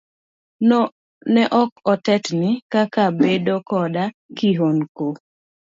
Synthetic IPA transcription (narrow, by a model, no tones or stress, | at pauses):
nɛʔɔkɔtɛtnɪkakabedokɔda | kiɦonko